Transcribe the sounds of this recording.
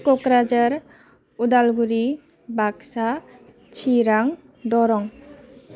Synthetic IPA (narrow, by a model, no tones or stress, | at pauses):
kɔkɾad͡ʒaɾ | udalɡuɾi | baksa | t͡ʃʰiɾaŋ | dɔɾɔŋ